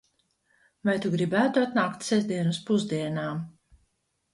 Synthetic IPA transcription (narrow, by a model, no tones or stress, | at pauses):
vajt̪uɡɾibæːt̪uɔt̪naːkt̪sɛzd̪iɛnuspuzd̪iɛnaː